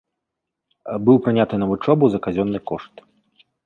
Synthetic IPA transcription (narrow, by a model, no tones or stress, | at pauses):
bɨwpɾɨnʲat̪ɨnɐvut͡ʂɔbɐwzɐkazʲɔnːɨkɔʂt̪